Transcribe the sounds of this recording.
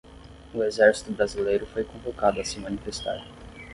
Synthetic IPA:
ʊezɛɾsi̥t̪ʊbɾazilejɾʊfojkõvokad̪ʊɐsɪmɐ̃nifest̪a̰ɾ

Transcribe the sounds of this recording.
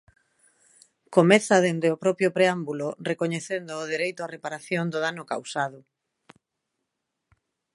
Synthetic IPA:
komɛθaðend̪eopɾɔpjʊpɾeambulorekoɲeθend̪ʊːðeɾejt̪ʊarepaɾaθjoŋd̪ʊðanʊka̰wsaðʊ

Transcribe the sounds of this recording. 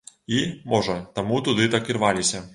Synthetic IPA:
imɔʐɐt̪amut̪ud̪ɨt̪akʲirvalʲisʲɐ

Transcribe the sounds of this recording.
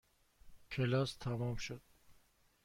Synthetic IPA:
kʰelɔst̪ʰamɔmʃod̪̥̚

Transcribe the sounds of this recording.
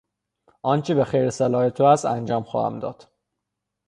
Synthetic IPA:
ʔɒːnt͡ʃʰebexejɾeselɒːhet̪ʰoæsænd͡ʒɒːmxɒ̰ːhæ̰md̪ɒ̰ːd̪̥

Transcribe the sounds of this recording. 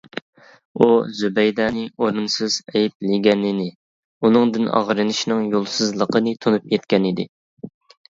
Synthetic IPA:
uzubɛjd̪ɑːnɪoɾunsɨz̥ɛjip̚lɪɡʲɛnːɪnɪ | unɨŋd̪ɨnɑ̰ʁɾɨnɨʃnɨŋjolˠsɨzlˠəqʰənɨt̪ʰonupjɛt̪kʲɛnɪd̪ɪ̰

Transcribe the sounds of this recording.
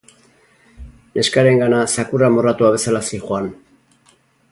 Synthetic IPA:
nʔe̞skaɾe̞ŋɡanasakuramo̞rat̪uaβ̞e̞salasixuan

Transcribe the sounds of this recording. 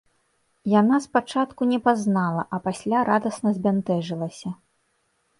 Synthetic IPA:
janaspat͡ʂat̪kunʲɛpaznalˠɐʔɐpasʲlʲaɾad̪ɐsnɐzʲbʲɛnt̪ɛʐɨlˠɐsʲɐ

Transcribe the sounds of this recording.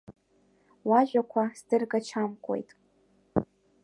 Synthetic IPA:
waʒᶣakʷʰasdɨrɡat͡ʃʰamkʷʼo̞̰jtʼ

